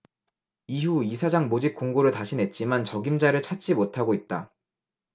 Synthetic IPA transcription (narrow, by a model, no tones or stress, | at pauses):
iɦuisʰad͡ʑaŋmod͡ʑip̚k͈oŋɡoɾɯɭtaɕʰine̞t̚t͡ɕ͈imant͡ɕʌɡimd͡ʑaɾɯɭt͡ɕʰat͡ɕ͈imotʰaɡoit̚t͈a